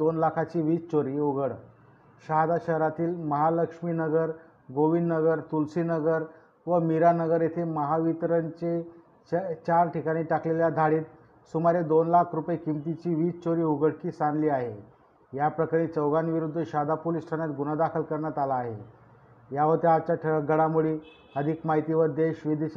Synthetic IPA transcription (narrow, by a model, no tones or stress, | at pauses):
onlakʰat͡ɕiːʋiːt͡st͡ɕoɾiːuɡəɽ | ɕaɦd̪aɕəɦɾat̪iːlməɦaləkʂminəɡəɾ | ɡoʋinːəɡəɾt̪ulsinəɡəɾ | ʋəmiɾanəɡəɾjet̪ʰeməɦaʋit̪ɾəɲt͡ɕe | t͡ɕaɾʈʰikaɽ̃iːʈakleljad̪ʱaɽiːt̪ | sumaɾed̪onlakʰɾupjikimt̪it͡ɕiːʋiːt͡st͡ɕoɾiːɦuɡʱəɽkiːsanliːaɦe | japɾəkaɾ̃et͡səwɡanʋiɾud̪ʱːəɕad̪ʱapolisʈʰanjat̪ɡunad̪akʰəlkəɾɳjat̪alaːɦe | jaʋət̪eat͡ɕaʈʰɡəɽamuɽiː | əd̪ʱiːkmaɦit̪iʋəɾd̪eɕʋid̪i